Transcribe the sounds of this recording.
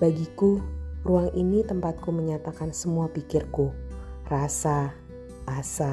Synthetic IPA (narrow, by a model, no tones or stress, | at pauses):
baɡikuruaŋinit̪əmpat̪̚kuməɲat̪akansəmuapikɪrkurasa | ʔasa